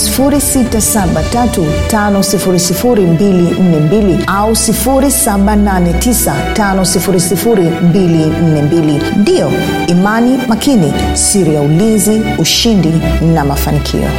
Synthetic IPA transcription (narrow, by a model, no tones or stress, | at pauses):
sifuɾisitasaɓatatutanɔsifuɾisifuɾimbilin̩nɛmbiliausifuɾisaɓananɛtisa | tanɔsifuɾisifuɾimbilin̩nɛmbili | ndiɔ | imanimakʰini | siɾijaulinziuʃindi | namafanikʰḭɔ̰